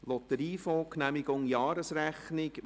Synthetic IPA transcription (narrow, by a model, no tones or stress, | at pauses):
lɔt̪əɾiːfɔːknæmɪɡʊŋjɑːɾəsræχnɪk